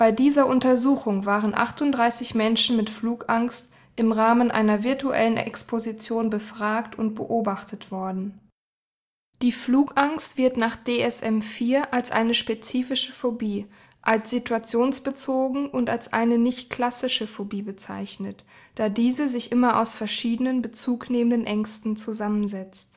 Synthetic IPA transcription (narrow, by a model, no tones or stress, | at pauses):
b̥aɪdiːzɐʔʊntɐzuːxʊŋvaːʁənʔa̰χtʊntd̥ʁaɪsɪçmɛnʃn̩mɪtfluːkʔaŋst | ʔɪmʁaːmənʔa̰ɪnɐvɪɐtuʔɛ̰lənʔɛ̰kspʰozit͡sjoːnbəfʁ̥aːktʊntb̥ə̰ʔoːbaχtʰətv̥ɔɐdn̩ | d̥iːfluːkʔaŋstv̥ɪɐtnaːχd̥eːɛsʔɛmfiːɐʔalsʔa̰ɪnəʃpet͡siːfɪʃəfobiː | ʔalsz̥itʰuat͡sjoːnsb̥ət͡soːɡŋ̩ʔʊntalsʔa̰ɪnənɪçtkl̥asɪʃəfobiːbət͡sa̰ɪçnət | d̥aːdiːzəzɪçʔɪmɐʔa̰ʊsfɛɐʃiːdənənbət͡suːkneːməndənʔɛŋstn̩t͡suzamənzɛt͡st